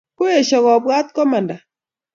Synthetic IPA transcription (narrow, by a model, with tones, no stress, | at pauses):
ko˦e˨ʃɔ˨ɣɔ˨bwa˦t̪̚kɔ˦ma˨nda˨